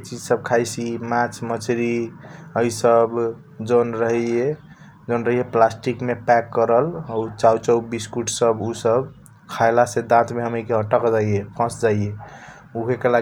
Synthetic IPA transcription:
et͡ʃid͡ʒsəb̚kʰajsimãt͡ʃʰmət͡ʃɾiəisəb | d͡ʒonɾəɦie | d͡ʒonɾəɦijeplasʈikmepɛkːəɾəlut͡ʃaut͡ʃəwbiskuʈʰsəbusəb | kʰaɪlased̪ãt̪meɦəmikeɦəʈəkd͡ʒaiepʰə̃sd͡ʒaie | uɦekela

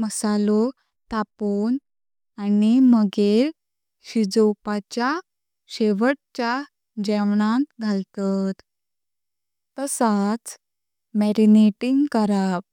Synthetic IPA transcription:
məsalɔ | t̪apon | animəɡeɾ | ɕid͡zɔwpat͡ɕja | ɕeʋəɽ̚t͡ɕja | d͡ʑɛʋɳãt̪ɡʱalt̪at̪ | t̪əsat͡s | mɛɾineʈiŋɡkəɾaʋ

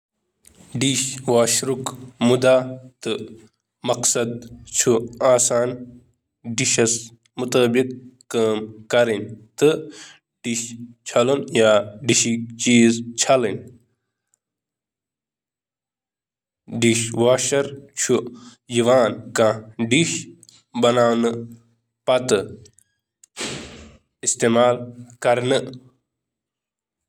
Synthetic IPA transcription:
ɖiʃʋaːʃɾukmud̪aːt̪ɨ | mɐqsɐd̪̚t͡ʃʰuaːsaːn | ɖiʃɐs | mut̪ɐːbikː | əːmkɐɾinʲt̪ɨ | ɖ̥iɕt͡ɕʰɐlɐnjaːɖiʃikt͡ʃiːzt͡ʃʰɐlin | ɖiʃʋaːʃɐɾt͡ʃʰu | jiʋaːnkãːɖiʃ | bɐnaːwnɨ | pɐt̪ɨ | ist̪eːmaːlkɐɾnɨ

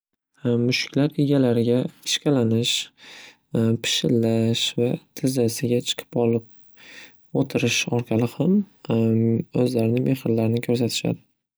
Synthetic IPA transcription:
mʊʃɪ̥kʲʰlaɾeɡʲalaɾɪɡʲaɪ̥ʃkʲalanɪʃ | pʰɪ̥ʃɪlːaʃvat̪ʰɪzasɪɡʲat͡ʃʰɨ̥qʰɨ̥pɒlˠɪp̚ | ot̪ʰɪɾɪʃɒɾqʰɑlɪham | ɵzlaɾɪnɪmʔe̞hɪɾlaɾɪnɪkʰɵɾs̬at̪ʰɪ̥ʃa̰d̪ɪ

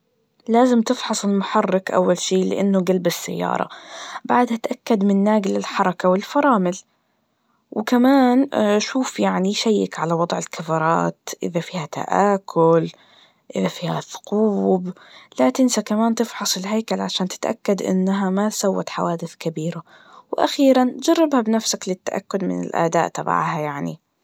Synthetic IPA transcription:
laːzɪmt̪ɪfħɑsˤɪlmʊħɑrːɪkʔa̰wːalʃiːlɪ̰ʔanːʊɡalbɪsːa̰jːɑ̰ːɾˤɑ̰baʕd̪hat̪ʔakːad̪mɪnːaːɡɪlɪlħɑɾˤɑkawɪlfɑɾˤɑːmɪl | wɪkamaːnʃuːfjaʕniʃajːɪkʕalawɑd̪ˤʕɪlkʰafɑɾˤɑ̰ːt̪ʔɪ̰ðafiːhat̪a̰ʔaːkʰʊl | ʔɪðafiːhaθʊ̥quːb | lat̪ɪnsakamaːnt̪ɪfħɑsˤɪlɦajkalʕaʃaːnt̪ɪ̥t̪ʔa̰kːad̪ʔɪ̰nːaɦamat̪sawːa̰t̪ħawaːd̪ɪθkabiːɾa | wɪʔa̰xiːɾant̪d͡ʒɑrˤːɪbhabnafsaklɪt̪ːaʔa̰kːʊd̪mɪ̰nɪ̰lʔa̰d̪a̰ːʔt̪ɑba̰ʕhajaʕnḭ

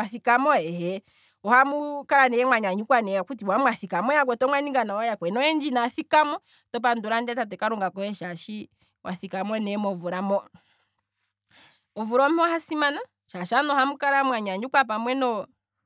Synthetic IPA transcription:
aθikamɔɛhɛ | ɔhamukaɾanɛjɛmwaɲaɲukwanɛakut̬iwamwaθikamɔjakwɛtɔmwaniŋɡanawajakwɛnɔɛnd͡ʒinaθikamɔ | tɔp̬anduɾandiatatɛkaɾuŋɡakɔhɛʃaʃi | wʔaθikamɔnɛmɔvuɾamɔ | ɔvuɾɔmahasimana | ʃaʃanɔhamukaɾamwaɲaɲukwap̬amwɛnɔ

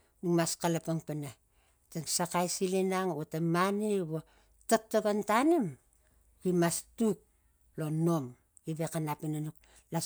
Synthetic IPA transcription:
numaskalapaŋpana | taŋsakajsilinaŋotamaniβo | tok̚toɡantanim | kimastuk̚ | lonom | ɡiβekanapinanuk | la

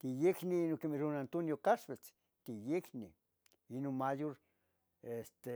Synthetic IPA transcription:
t̪ijekniinokemeɾonant̪unjokaʃwet͡s | t̪ijekni | inonmajoɾ | est̪e

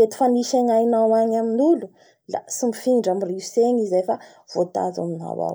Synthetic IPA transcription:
et̪u̥faniʃaŋajnawaɲaminulu | la̰simifiŋiɳɖ͡ʐamiriuseɲizajfa | v̥ot̪a̰za̰mina̰wa̰w

